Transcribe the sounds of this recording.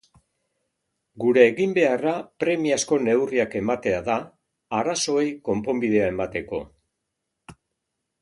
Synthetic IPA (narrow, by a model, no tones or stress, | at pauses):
ɡuɾe̞ːɣimbe̞arapɾe̞miasko̞ne̞wriake̞mat̪e̞aðaː | ɾaso̞e̞jko̞mpo̞mbiðe̞ae̞mat̪e̞ko̞̰